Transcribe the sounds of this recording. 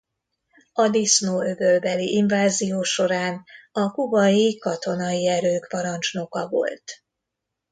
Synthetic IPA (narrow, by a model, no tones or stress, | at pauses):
ɒd̪isnoːøɡølbɛliʔiɱvaːzijoːʃo̞ɾaːnɒkubɒjikɒt̪o̞nɒjiɛɾøːkpɒɾɒnt͡ʃno̞kɒvo̞̰lt̪